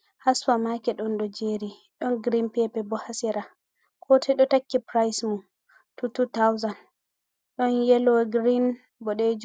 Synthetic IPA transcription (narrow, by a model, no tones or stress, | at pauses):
haswamakɛɗɔnɗɔd͡ʒeɾi | ɗɔnɡɾinpɛpɛbɔhasiɾa | kʰɔtʰɛɗɔtakːipɾajsmu | tututawzan | ɗɔnjɛlɔɡɾin | bɔɗed͡ʒu